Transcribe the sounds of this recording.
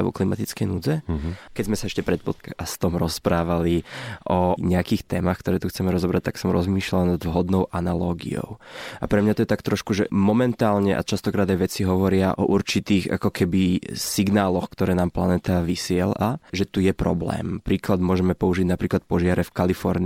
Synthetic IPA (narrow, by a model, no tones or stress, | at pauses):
ʋɔ̰klimat̪it͡skɛjnuːd͡zɛkɛzmɛsaɛʃcɛpɾɛt̪̚pɔt̪̚kst̪ɔmɾɔspɾaːʋaliʔɔɲɛakiːxt̪ɛːmaxkt̪ɔɾɛːt̪uxt͡sɛmɛɾɔzɔbɾac̚t̪aksɔmɾɔ̰zmiːʃlalanad̪ʋɦɔd̪nɔʊʔanalɔːɡḭɔ̰ʊʔapɾɛmɲat̪ɔjɛt̪akt̪ɾɔʃkuʒɛmɔmɛnt̪aːlɲɛʔa̰t͡ʃast̪ɔkɾaːd̪ajʋɛt͡siɦɔʋɔɾɪaʔɔ̰ʔuɾt͡ʃit̪iːɣa̰kɔkɛbisiɡnaːlɔxkt̪ɔɾɛːnaːmplanɛːt̪aʋisɪɛlaʒɛt̪ujɛpɾɔ̰blɛ̰ːmpɾiːklad̪mʊɔʒɛmɛpɔuʒiɟnapɾiːklat̪̚pɔʒɪaɾɛfkalifɔɾni